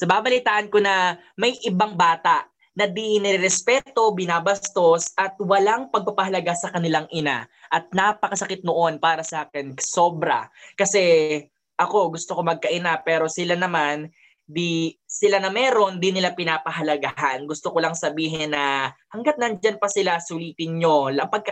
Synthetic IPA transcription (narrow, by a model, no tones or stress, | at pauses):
sɐbaːbɐlɪt̪aːʔɐnko̞nɐ | mɐjʔɪbaŋbaːt̪aʔ | nɐd̪inɛɾɪɾɛspɛːt̪o̞bɪnaːbɐst̪o̞sʔɐt̪̚wɐlaŋpɐɡ̚pɐpɐɦɐlɐɡasɐkɐnɪlaŋʔɪna̰ʔɐt̪̚napɐkɐsɐkɪt̪̚noʔo̞npaːɾɐsaːkɪnso̞bɾɐ̰kɐsɛ | ʔɐko̞ɡʊst̪oko̞mɐɡ̚kɐʔɪnapɛːɾo̞sɪlanɐman | d̪isɪlanɐmɛːɾo̞nd̪inɪlapɪnaːpɐɦɐlɐɡaɦanɡʊst̪okolɐŋsɐbiːɦɛnːɐhɐŋɡat̪̚nɐnd͡ʒanpɐsɪlasʊliːt̪ɪnɲo̞lɐpɐɡ̚k